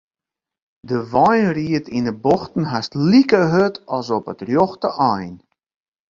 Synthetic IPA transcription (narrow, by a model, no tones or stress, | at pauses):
dəʋɔjnriətʰinəbɔxtən̩ɦastlikəɦøtɔsɔpətrjɔxtəʔɔjn